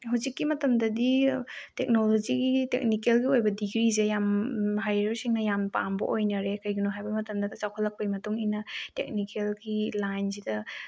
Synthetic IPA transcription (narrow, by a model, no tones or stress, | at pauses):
ɦawzikːimɐtɐmdɐdi | tek̚nolod͡ʒiɡitḛk̚nikelɡiojbɐdiɡɾizejamɦajɾɐɾsiŋnɐjampa̰mbɐ̰ʔojnɐɾekɐjɡinoɦajbɐmɐtɐmdɐdɐt͡ʃawkʰɐlːɐk̚pɐjmɐtuŋinɐtḛk̚nikelɡilajns̬idɐ